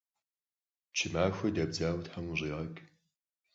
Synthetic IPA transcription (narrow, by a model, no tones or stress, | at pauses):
t͡ʃʰɪmaːxʷɐdɐbzaːwtħamʑiːʁɐkʼ